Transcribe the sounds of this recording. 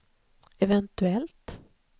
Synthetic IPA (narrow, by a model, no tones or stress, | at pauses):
ɛvɛnt̪ʉɛlt̪